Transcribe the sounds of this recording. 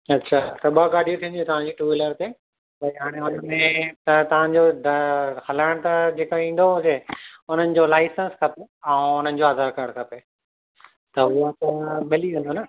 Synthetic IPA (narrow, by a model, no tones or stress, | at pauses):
ɐtːɕʰaːt̪ɐɓaɡaːɗijũt̪ʰĩːnd̪ĩt̪ɐʋ̤ãd͡ʑiːʈuːɪləɾt̪e | bɐiɦaːɽ̃eʊnəmẽt̪ɐt̪ɐʋ̤ãd͡ʑoɖhɐlaːɽ̃t̪ɐd͡ʑeːkoĩːn̆d̪oɦũd͡ʑeʊn̤ənɪ̆d͡ʑolaːɪsə̃nskʰɐpeãʊn̤ənɪ̆d͡ʑoaːzʱaːɾkaːɽkʰɐpe | t̪ɐɦʊat̪ɐmɪliʋẽn̆d̪onɐ